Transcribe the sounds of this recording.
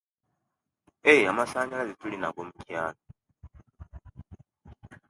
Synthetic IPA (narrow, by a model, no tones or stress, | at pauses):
ejamasaːɲalazetulina̰ɡomucjaːlo